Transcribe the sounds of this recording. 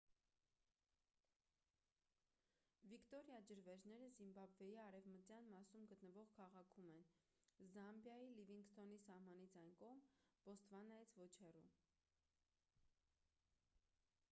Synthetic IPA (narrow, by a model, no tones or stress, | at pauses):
vikt̪ɔɾjɑd͡ʒəɾvɛɾnɛɾəzimbɑbvɛjiɑɾɛvmətjɑnmɑsumɡət̪nəvɔʁkʰɑʁɑkʰumɛn | zɑmbjɑjiliviŋɡst̪ɔnisɑhmɑnit͡sʰɑjnkɔʁmb̥ɔst̪vɑnɑjit͡sʰvɔt͡ʃʰhɛrum